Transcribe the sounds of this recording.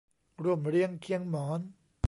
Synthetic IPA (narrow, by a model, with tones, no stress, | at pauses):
ɾu˧˩əmɾi˧˥˩əŋkʰi˧˥əŋmɔː˩˦n